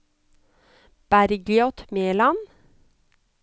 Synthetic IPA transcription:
b̥æɾɡlɪɔt̪meːlɑn

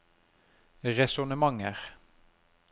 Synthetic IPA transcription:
ʁɛsʊnəmɑŋəʁ

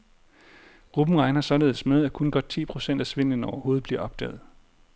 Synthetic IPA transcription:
ʁub̥m̩ʁɑ̈ɪnɑsɒ̽le̝ːð̩ˠsmeðˠækʰɔ̽nɡ̥ɒ̽d̥̚t͡sʰḭːpʰʁo̝sen̰d̥æsʋe̝n̰ənɒʊɐho̝ːð̞̩ˠb̥liɐʔɒ̽b̥d̥ɛ̰ːð̩ˠ

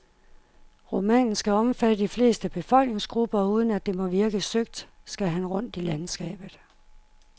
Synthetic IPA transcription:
ʁo̝mɛ̰ːnn̩sɡ̥æɒ̽mfæd̥əd̥ifle̝̰ːsd̥əb̥e̝fɒ̽l̰ɡ̥ne̝ŋsɡ̥ʁub̥ɐuːð̞ˠən̩æd̥e̝mɒ̽ʋiɐɡ̥əsøɡ̥̚d̥sɡ̥æɦænʁɔ̽n̰d̥ilænsɡ̥ɛ̰ːb̥ð̩ˠ

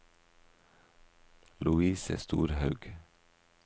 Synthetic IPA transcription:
lʉiːsə̰st̪ṵːɾhɑʉɡ

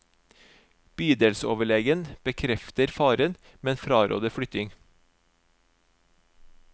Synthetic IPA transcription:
b̥yːd̪eːlso̰ːʋəɭɛːɡənb̥əkʰɾɛft̪əɾfɑːɾən | meːeːnfɾɑːɾo̰ːd̪əfɽʏt̪ɪŋ

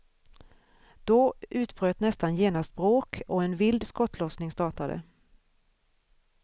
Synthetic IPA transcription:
d̪̥ɔʉ̟ːt̪b̥ɾøːt̪nɛst̪anjeːnast̪̚bɾoːkʰɔɛnvɪld̪skɔt̪ʰlɔsnɪŋst̪ɑːʈad̪ə̰

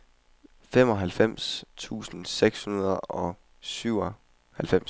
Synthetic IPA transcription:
fem̰ɒ̽ɦælfem̰st͡sʰṵːsn̩seɡ̥shunɐð̩ˠɒ̽ | syʊ̰ɒ | hælfem̰s

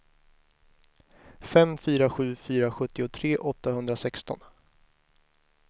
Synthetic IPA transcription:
fɛmfyːɾaɧʉ̟ːfyːɾaɧɵt̪ːɪʊt̪ʰɾeːʔɔt̪ːahɵnd̪ɾasɛkst̪ɔ̰n

